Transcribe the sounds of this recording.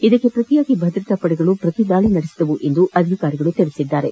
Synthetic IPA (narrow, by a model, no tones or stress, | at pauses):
id̪ɐkːe̞pɾɐt̪ijaːɡibʱɐd̪ɾɐt̪ɐpɐɽɛɡɐɭupɾɐt̪id̪aːɭinɐɽesid̪ɐʋuʔe̞nd̪uʔɐd̪ʱikaːɾiɡɐɭut̪iɭisid̪ːaːɾe